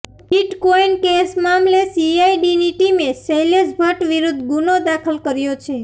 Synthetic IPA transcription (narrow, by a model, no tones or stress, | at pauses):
biʈkoinkesmamlesiaiɖiniʈimesejlesbʱəʈʋiɾud̪ʱɡunod̪akʰəlkəɾjot͡ʃʰe